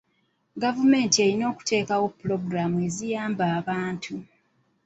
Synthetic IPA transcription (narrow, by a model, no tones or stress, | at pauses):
ɡavume̞ːntie̞ɾino̞ːku̥te̞ːkawo̞pːulo̞ɡuɾamue̞zijaːmbaːβaːntʰu